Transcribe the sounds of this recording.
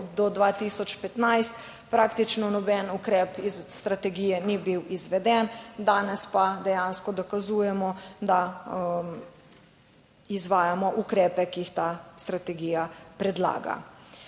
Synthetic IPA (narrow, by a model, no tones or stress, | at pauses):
ɔd̪ɔd̪ʋaːt̪isɔt͡ʃpɛt̪najst̪ | pɾaːkt̪it͡ʃnɔnɔbɛnukɾɛːpizːt̪ɾat̪ɛɡiːjɛnibiwizʋɛd̪ɛnd̪aːnɛspad̪ɛjanskɔd̪ɔkazuːjɛmɔd̪a | izʋaːjamɔʔukɾɛːpɛkiixt̪aːst̪ɾat̪ɛɡiːjapɾɛd̪la̰ːɡa̰